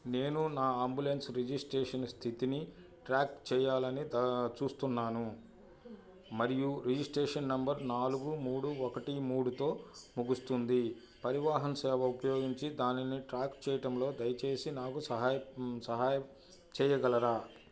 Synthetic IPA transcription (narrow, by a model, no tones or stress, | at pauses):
ne̞ːnunaːaːmbulensɾid͡ʒisʈɾeːʂɐnst̪ʰit̪ini | ʈɾaːkt͡ʃɛːjaːlɐnid̪t͡ʃuːst̪unːaːnu | mɐɾijuɾid͡ʒisʈɾeːʂɐnːɐmbɐɾnaːluɡumuːɽuɔkɐʈimuːɽut̪o̞ːmuɡust̪und̪i | pɐɾiʋaːɦɐnsɛːʋɐupɐjo̞ːɡiɲt͡ʃid̪aːniniʈɾaːkt͡ʃɛːjɐʈɐmlo̞ːd̪ɐjɐt͡ʃe̞ːsinaːkusɐɦaːjɐsɐɦaːjɐ | t͡ʃɛːjɐɡɐlɐɾaː